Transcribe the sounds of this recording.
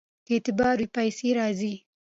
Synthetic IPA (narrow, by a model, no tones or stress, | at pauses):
ket̪ɪbɑːɾwipajseɾɑzi